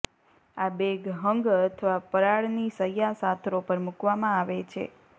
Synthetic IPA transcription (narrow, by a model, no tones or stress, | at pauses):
abeɡɦəŋɡət̪ʰəʋapəɾaɭnisəjasat̪ʰɾopəɾmukʋamãaʋet͡ʃʰḛ